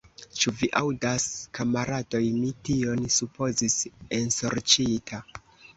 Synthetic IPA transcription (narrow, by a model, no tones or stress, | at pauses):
t͡ʃuviʔawdaskamaɾado̞jmitio̞nsupo̞zise̞nso̞ɾt͡ʃitʰa